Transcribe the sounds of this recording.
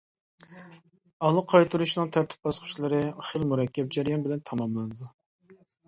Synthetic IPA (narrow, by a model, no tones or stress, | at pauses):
ɑlˠəqʰɑjt̪ʰuɾuʃnɨŋt̪ʰæɾt̪ʰy̥p̚bɑsqʰʊ̥t͡ʃlˠɨɾɨχəlmuɾɛkʲːɛp̚d͡ʒɛɾijɑnbɪlɛnt̪ʰɑmɑmlˠɨnɨd̪u